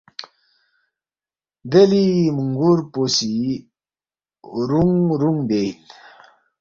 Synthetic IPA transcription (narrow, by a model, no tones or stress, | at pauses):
d̪elimuŋɡuɾposi | ɾuŋɾuŋb̪en